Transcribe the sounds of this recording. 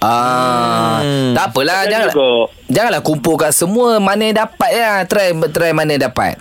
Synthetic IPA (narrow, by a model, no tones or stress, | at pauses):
ʔa | t̪apəlad͡ʒaŋa | d͡ʒaŋanlahkumpʊlkaʔsəmũəmanə̃dapat̪̚jat̪əɾajt̪ɾajmanə̃dapa̰t̪̚